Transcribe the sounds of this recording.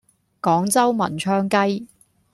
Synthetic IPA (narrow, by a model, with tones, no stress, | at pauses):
kɔː˨˥ŋt͡sɐ˥wmɐ̰˨˩nt͡ʃʰœː˥ŋkɐ˥j